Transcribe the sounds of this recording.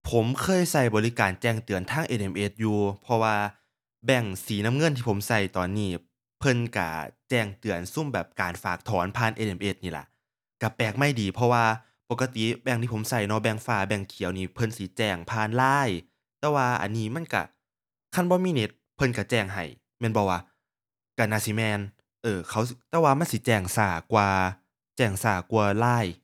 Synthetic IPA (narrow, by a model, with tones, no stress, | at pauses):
pʰo˨˦mkʰɤː˧˥˨jsa˧˩jbɔː˨li˦˧kaː˨˩nt͡ɕɛː˧˩ŋt̪ɯ˨˩ənt̪ʰaː˧˥˨ŋʔe˧˩nʔe˧˩mʔe˧˩t̪̚juː˧pʰɔ˧waː˧ | bɛ˧˩ŋsiː˨˦na˧˨mŋɤ˧˥˨nt̪ʰiː˧pʰo˨˦msa˧˩jt̪ɔː˨˩nːiː˧˩ | pʰɤ˧˥˨nka̰˧˩t͡ɕɛː˧˩ŋt̪ɯ˨˩ənsu˧˥˨mbɛː˨˩p̚kaː˨˩nfaː˨˩k̚t̪ʰɔː˨˦npʰaː˧˨nʔe˧˩ʔe˧˩mʔe˧˩t̪̚niː˧˩la̰˧˦ʔ | ka˧˩pɛː˨˩k̚ma˧˩jdiː˨˩pʰɔ˧waː˧ | po˨˧˩kːa˧t̪i˨bɛː˧˩ŋt̪iː˧˩o˨˦msa˧˩jnɔ˧˦bɛː˧˩ŋfaː˧˩bɛː˧˩ŋkʰi˨˦wniː˧˩pʰɤ˧˥˨nsi˨˦t͡ɕɛː˧˩ŋpʰaː˧˥˨nlaː˧˥˩j | t̪ɛː˧waː˧ʔa̰˨nːiː˧˩ma˧˥˨nka̰˧˩ | kʰa˧˥˨nbɔː˧˦miː˧˥˨ne˧˦t̪̚pʰɤ˧˨nka˧˩t͡ɕɛː˧˩ŋɦa˨˩j | mɛː˧˥nbɔː˧˩waː˧ | ka˧˩naː˧˩˨si˧˦mɛː˧n | ʔɤː˧kʰa˧˦wt̪ɛː˧waː˧ma˧˥˨nsi˧˦t͡ɕɛː˧˩ŋsaː˧˩kwaː˧ | t͡ɕɛː˧˩ŋsaː˧˩ku˧ɐlaː˧˥˩j